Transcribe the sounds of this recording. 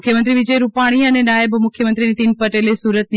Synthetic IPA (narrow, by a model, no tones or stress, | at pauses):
kʰjəmɐ̃nt̪ɾiʋɪd͡ʑəɾupaːɽ̃iənɛ̃naːɪbmʊkʰjəmɐ̃nt̪ɾinĩt̪iːnpɐʈeːlesuːɾət̪̚ni